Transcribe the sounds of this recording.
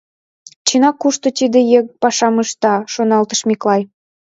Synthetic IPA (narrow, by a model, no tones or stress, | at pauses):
t͡ɕinɑkːuʃt̪ŏt̪id̪ĕjek̚pɑʃɑməʃt̪ɑʃonɑlt̪ə̥ʃmiklɑj